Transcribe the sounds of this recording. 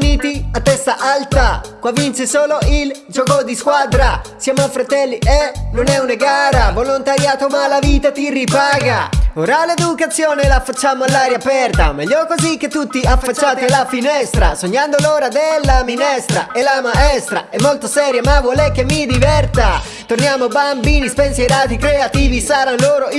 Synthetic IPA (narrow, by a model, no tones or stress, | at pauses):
niːt̪iat̪ːɛst̪aʔalt̪akwavːint͡ʃesoːloʔild͡ʒokod̪iskwad̪ɾasjamafɾat̪ɛlːiʔenonɛunaɡaːɾavolont̪aɾjaːt̪omalaviːt̪at̪iripaːɡaoɾaled̪ukat̪sːjoːnelafːat͡ʃːaːmoalːaɾjaːpɛrt̪amɛʎːɔkozik̟ːet̪ːut̪ːiafːat͡ʃːaːt̪elafinɛst̪ɾa̰soɲːand̪oloːɾad̪elːaminɛst̪ɾa̰elamaɛst̪ɾa̰ɛmːolt̪osɛːɾjamavolɛk̟ːemːid̪ivɛrt̪a | t̪ornjaːmobambiːnispɛnsajɾaːt̪ikɾeat̪iːvisaːɾanloːɾo